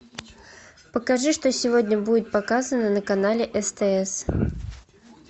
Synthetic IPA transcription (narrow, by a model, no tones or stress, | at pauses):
pəkɐʐɨʂt̪osʲɪvodʲnʲəbudʲɪt̪̚pɐkazənənəkɐnalʲɪʔɛst̪ɛɛs